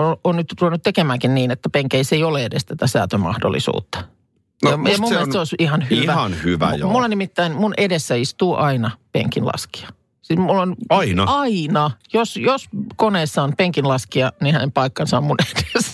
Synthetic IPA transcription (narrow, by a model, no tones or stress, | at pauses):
oonnyt̪t̪ulenut̪ekemæːŋkinniːnet̪ːæpeŋkeiseioleedest̪æt̪æsæ̰ːt̪ømɑ̰hdo̰lːˑḭsṵːt̪ːɑ̥ | nɑjɑmumːelsseoˑisihɑnhiʋæɑnhyʋæ̰jmulːenimit̪ːæinmunʔedesːæist̪uːʔɑinɑpḛŋkinlɑ̰ski̥ɑ̥ | sismulːonɑinɑɑinɑjosjoskoneːsːɑonpeŋkinlɑskiɑnihænempɑikːɑnsɑommuned̥e̥s